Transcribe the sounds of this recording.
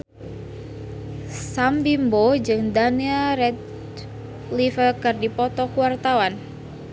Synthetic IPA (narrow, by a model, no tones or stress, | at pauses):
sambimbod͡ʒɨŋdaniaɾɛt̪̚ | lifəkɨrdipɔt̪ɔkuwart̪awan